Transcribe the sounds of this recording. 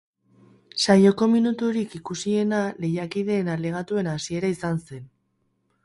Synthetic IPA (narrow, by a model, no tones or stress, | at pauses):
sajo̞ko̞minut̪uɾikikusie̞nale̞jakiðe̞ːnale̞ɣ̞at̪ue̞nasie̞ɾaisanse̞n